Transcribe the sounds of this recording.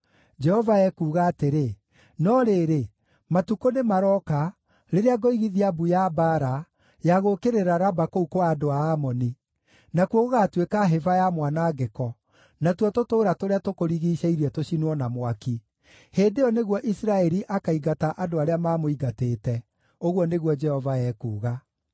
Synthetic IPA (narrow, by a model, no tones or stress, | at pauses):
d͡ʒɛhɔvaɛkuːɣaːteɾe | nɔɾeːɾe | matukonemaɾɔka | ɾeɾeaɡoiɣiðiabujabaɾa | jaɣokeɾeɾaɾabakoukoaːdoaːmɔni | nakwoɣoɣatwekaɦevajamwanaɡɛkɔ | natwɔtotoːɾatoɾeatokoɾiɣiʃɛiɾiɛtoɕinwɔnamwaki | heːndeɔneɣwɔʔisɾaɛɾiʔakaiɡataʔadoaɾeamaːmoiɡateːtɛ | oɣwɔneɣwɔd͡ʒɛhɔvaɛːkuːɣa